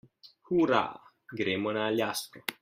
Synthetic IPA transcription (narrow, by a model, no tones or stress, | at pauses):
huɾa̰ | ɡɾemonaːljasko